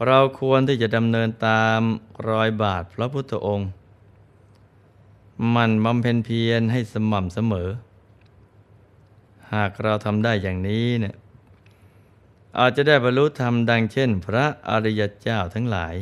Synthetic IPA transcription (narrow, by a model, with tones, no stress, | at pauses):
ɾa˧wkʰu˧ənt̪ʰiː˥˩t͡ɕa˨˩da˧mnɤː˧nt̪aː˧mɾɔː˧jbaː˨˩t̪̚pʰɾɔ˦˥pʰu˦˥˩t̪ʰːa˧˩ʔo˧ŋ | ma˧˩nba˧mpʰe˧npʰi˧ənɦa˥˩jsa˧ma˨˩msa˧mɤː˩˦ | haː˨˩k̚ɾa˧wt̪ʰa˧mdaː˥˩jːaː˨˩ŋniː˦˥ni˥˩ə | ʔaː˨˩t̪̚t͡ɕa˨˩daː˥˩jbɔː˧nɾu˦˥t̪ʰa˧mda˧ŋt͡ɕʰe˥˩npʰɾa˦˥ʔa̰˧ɾi˦˧ja˧t͡ɕaː˥˩wt̪ʰa˦˥ŋla̰ː˩˦j